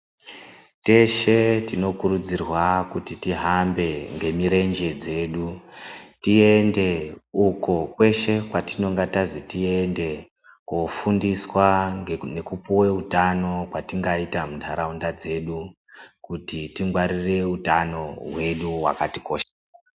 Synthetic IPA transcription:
te̞ʃetino̞kuɾud͡zirwakutitiɦambe̞ŋɡe̞miɾe̞nd͡ʒe̞d͡ze̞ːɗu | tie̞nde̞uko̞kwe̞ʃe̞kwatino̞ŋɡatazitiende̞ | kofundiswane̞kupuwe̞utano̞kwatiŋɡaitamuntʰaɾaundad͡ze̞ɗu | kutitiŋɡwaɾire̞utano̞ɦwe̞ɗuwa̰katiko̞ːʃḁ

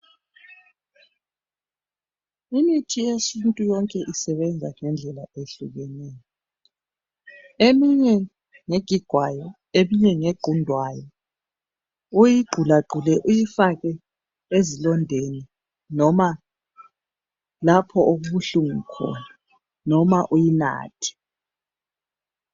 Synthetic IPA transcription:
initʰijesintʼujɔŋkʼɛʔisɛβɛnd͡zʱa̰ŋɛnd͡ɮʱɛlaʔeɬuɣɛnɛːjɔ | emiɲɛ | ŋeɡ̥ʱiɡ̥ʱwajɔ | emiɲɛŋeɡ͡ǃʱundʱwajɔ | ujiɡ͡ǃʱulaɡ͡ǃʱulɛʔujifaɣɛ | ezilɔndʱeni | nɔma | lapʰɔoɣuɬuŋukʰɔ̰na | nɔmaʔujina̰ːtʰi̥

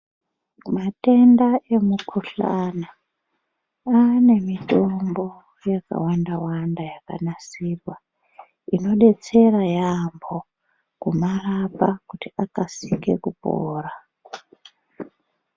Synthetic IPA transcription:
mate̞ndaʔe̞mukʰuɬa̰na | ane̞mito̞mbo̞ | jaka̰wandawandajaka̰nasirwa | ino̞ɗe̞t͡se̞rajambo̞ | kumarapakutiʔakasike̞kupo̰ːra

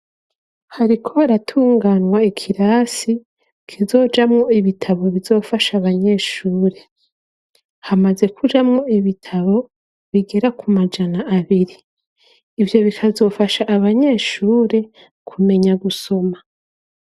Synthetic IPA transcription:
haɾikʰo̞aɾatʰuːŋɡanwaekʰiɾaːsi | kʰizo̞ːd͡ʒamŋo̞iβitʰaβo̞βizo̞ːfaʃaβaɲe̞ːʃuːɾe̞ | hamaze̞kʰud͡ʒamŋo̞iβitʰaβo̞ | βiɡe̞ɾakumad͡ʒanaːβiɾiː | vjo̞βikʰazo̞ːfaʃaʔːβaɲe̞ːʃuːɾe̞ | kʰume̞ɲaɡuso̞ma

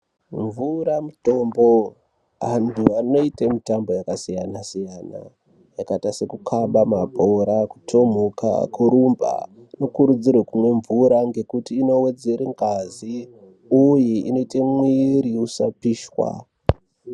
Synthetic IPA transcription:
ɱvuɾamuto̞mbo̞ | antʰuano̞itemitambo̞jakasijanasijana̰ | jakatasekukʰaɓamabʱoɾaku̥tʰo̞m̤oka̰kuɾumba̰ | no̞kuɾud͡zirwekumwe̞ɱvuɾaŋɡe̞kutiːno̞we̞d͡ze̞ɾeŋɡazi | ujiino̞itemwiɾiusapiːʃwa̰

